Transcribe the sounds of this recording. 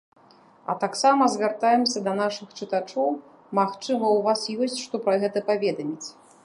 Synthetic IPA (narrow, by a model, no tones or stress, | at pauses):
ɐ̰t̪aksamɐzvʲart̪ajɛmsʲɐd̪ɐnaʂɨxt͡ʂɨt̪at͡ʂɔw | maxt͡ʂɨmɐwvasjɔsʲt͡sʲʂt̪ɔpɾɐɣɛt̪ɐpavʲɛd̪ɐmʲit͡sʲ